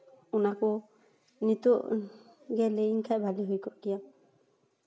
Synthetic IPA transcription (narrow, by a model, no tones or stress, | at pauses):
unakɔ | nit̪ɔʔɡɛleiŋkʰajbʱaliɦujkɔʔkija